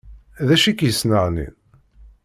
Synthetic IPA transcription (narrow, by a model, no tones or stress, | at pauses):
ðæʃikjəsnəʁnḭn